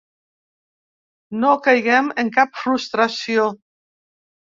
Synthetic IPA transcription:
nokajɣɛmeŋkap̚fɾust̪ɾasio

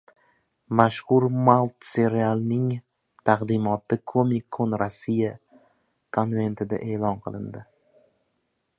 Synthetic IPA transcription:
maʃhʊɾmalˠt̪se̞ɾialˠnɪŋ | t̪ʰaqd̪ɪmɒt̪ɪkʰomikʰːonɾasːija | kʰonve̞nt̪ʰɪd̪a̰ʔe̞ːlɒnqʰɨlˠɪ̰nd̪ɪ

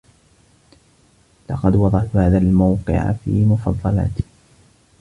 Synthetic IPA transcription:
lɑqɑd̪wɑðˤɑʕt̪haːðaːlmawqɨ̰ʕ̰fḭːmʊfɑðˤːɑla̰ːt̪

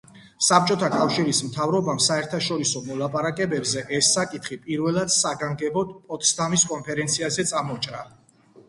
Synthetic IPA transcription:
sap̚t͡ʃʼɔt̪ʰakʼafʃiɾismt̪ʰavɾɔbamsaɛɾt̪ʰaʃɔɾisɔmɔlˠapʼaɾakʼɛbɛbzɛʔɛsːakʼit̪χipʼiɾvɛlˠad̪saɡaŋɡɛbɔd̪pʼɔt̪ʼst̪ʰʼamiskʼɔnpʰɛɾɛnt̪sʰiazɛt̪sʼamɔt͡ʃʼɾa

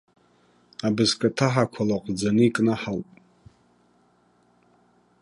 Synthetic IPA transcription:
abɨzkʼatʰaħakʷʰalaqʼd͡zanɨikʼnaħalpʼ

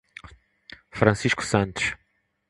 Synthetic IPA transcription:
fɾɐ̃siʃku̥sɐ̃nt̪u̥ʃ

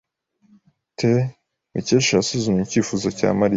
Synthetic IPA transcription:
tʰe | miceʃasuzumiciːfuzoca̰ːmaɾi

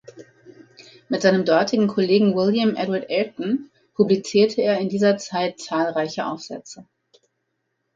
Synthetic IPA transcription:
mɪtz̥aɪnəmdɔɐtʰɪɡŋ̩kʰoleːɡŋ̩wɪljəmʔɛdwaɐtʔɛltn̩ | pʰublit͡siːɐtʰəeːɐɪndiːzɐt͡saɪtt͡saːlʁaɪçəʔa̰ʊfz̥ɛ̰t͡sə

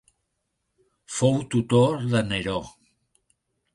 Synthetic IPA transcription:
fowt̪ut̪oɾðəneɾo

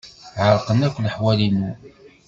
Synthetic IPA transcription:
ʕəɾˤqənækʷːləħwælinu

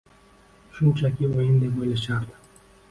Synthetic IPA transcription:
ʃʊnt͡ʃʰakʲiojɪnd̪epojlaʃaɾd̪ɨ̥

